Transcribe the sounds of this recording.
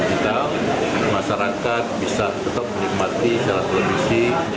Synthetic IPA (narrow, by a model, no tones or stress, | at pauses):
kit̪a | maʃaɾakat̪̚bisat̪ət̪ap̚mənik̚mat̪isaɾat̪ːələfisi